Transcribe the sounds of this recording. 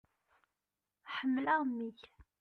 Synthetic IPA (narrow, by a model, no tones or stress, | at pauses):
ħəmːlaʁmːiç